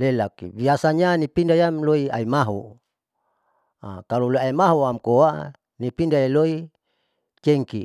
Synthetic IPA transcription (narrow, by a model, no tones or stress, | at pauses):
lelakḭbiasaɲanipindajamloia̰imaɦṵ | a̰kaluloiaimaɦuamkoaʔ | nipindaeloi | t͡ʃeŋki